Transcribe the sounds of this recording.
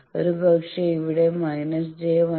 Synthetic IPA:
oɾɯbɐkʂɐiʋiɽemɐɪnɐsd͡ʑejʋɐ

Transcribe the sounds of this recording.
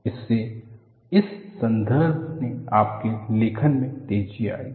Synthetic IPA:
ɪsːe | ɪsːɐ̃nd̪əɾbʱneaːp̚kelɪkʰənmẽt̪eːd͡ʒia̰ːiː

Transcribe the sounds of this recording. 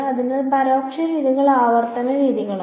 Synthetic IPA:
ɐðinɨpɐɾoːkʂɐɾiːðiɣɐɭaːʋɐrt̪ɐnɐɾiːðiɣɐɭa

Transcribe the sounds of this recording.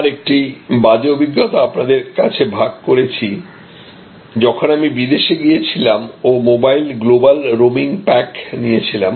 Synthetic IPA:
aɾek̚ʈibad͡ʑeobʱiɡːot̪oapnad̪eɾkat͡ɕʰebʱaɡ̚koɾet͡ɕʰi | d͡ʑɔkʰonamibid̪eʃeɡijet͡ɕʰilamomobajlɡlobalɾomiŋpɛknijet͡ɕʰilam

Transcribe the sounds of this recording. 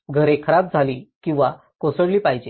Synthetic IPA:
ɡʱəɾekʰəɾab̚d͡zʱaliːkĩw̃ʋa | kosəɽliːpaɦid͡ʑe

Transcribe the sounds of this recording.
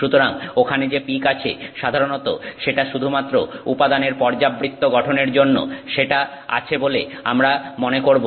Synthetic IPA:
ʃut̪oɾaŋokʰaned͡ʑepikat͡ɕʰḛʃad̪ʱaɾonot̪o̰ʃeʈaʃud̪ʱumat̪ːɾoupad̪aneɾpɔɾd͡ʑabːɾit̪ːoɡɔʈʰoneɾd͡ʑonːo̰ʃeʈa | a̰t͡ɕʰeboleamɾamonekoɾbo

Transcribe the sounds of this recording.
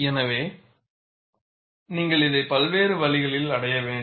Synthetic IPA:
ɛnɐʋeː | niːŋɡɐɭɪðɐɪpɐlʋeːɾɯʋɐɭɪɣɐɭɪlɐɽɐjɐʋeːɳ

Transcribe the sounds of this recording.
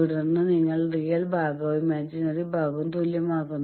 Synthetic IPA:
iɽunːɨniŋːɐɭrijɐlbʱaːɡɐimaːd͡ʑinɐribʱaːɡumt̪uljɐmaːkːunː

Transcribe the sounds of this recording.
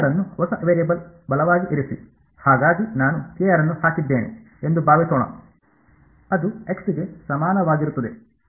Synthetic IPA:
ɐɾɐnːuɦɔsɐʔɐʋeːlebɐlbɐlɐʋaːɡiʔiɾisḭ | haːɡaːɡinaːnukijɐɾɐnːuhaːkid̪ːeːnḭ | end̪ubaːʋisoːɳɐ̰ | ɐd̪ueksiɡe̞sɐmaːnɐʋaːɡiɾut̪ːɐd̪e̞

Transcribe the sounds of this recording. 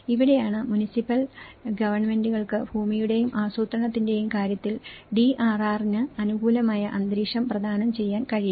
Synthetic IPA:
iʋiɽe̞jaːɳɨmunisipːɐlɡɐʋɐrɳme̞nduɣɐɭkɨbʱuːmijuɽe̞jumʔaːsuːt̪rɐɳɐt̪ːinde̞jumkaːɾjɐt̪ːilɖiʔaːraːrnɨɐnuɡuːlɐmaːjɐʔɐnd̪ɾiːʂɐmprɐd̪ʱaːnɐmt͡ɕe̞jːaːnkɐɻij

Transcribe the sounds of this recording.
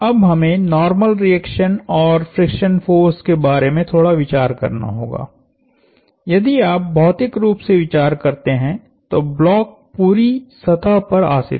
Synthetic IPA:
ɐbɦɐmẽnɔːɾməlɾiɛːkʃənɔːɾfɾɪkʃənfoːɾskebaːɾemẽt̪ʰoːɽaʋɪt͡ʃaːɾkɐ̰ɾna̰ɦo̰ːɡa̰ː | jɐd̪iaːp̚bʱɔːt̪ɪkɾuːpseʋɪt͡ʃaːɾkɐɾt̪eɦɛ̃ | t̪oblɔːk̚puːɾisɐt̪ʰapɐɾa̰ːsɪ̰t̪

